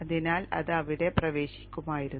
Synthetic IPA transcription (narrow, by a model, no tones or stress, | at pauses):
ɐðinaːlɐ̰ðɨɐʋiɽe̞prɐʋe̞ːɕi̥kʲːumaːjiɾunː